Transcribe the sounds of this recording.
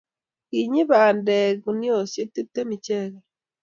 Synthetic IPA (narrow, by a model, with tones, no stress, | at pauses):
ɣi˨ɲi˦βa˨nde˨ɣu˨ni˦o˨sje˦t̪i˦tːe˦mi˨ce˦ɣa